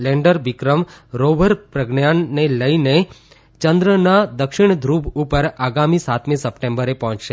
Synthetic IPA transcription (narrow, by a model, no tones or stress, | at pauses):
leɳɖəɾʋikɾəmɾoʋəɾpɾəɡɳjanːeləine | t͡ʃənd̪ɾənad̪əkʃɪɳ̃d̪ʱɾubupəɾaɡamĩsat̪mĩsəpʈẽmbəɾepɔɦɔ̃t͡ʃʃe